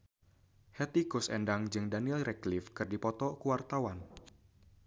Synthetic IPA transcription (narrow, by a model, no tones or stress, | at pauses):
hɛt̪ikusɛ̰ndaŋd͡ʒɨŋdanilrɛklifkɨrdipɔt̪ɔkuwart̪awan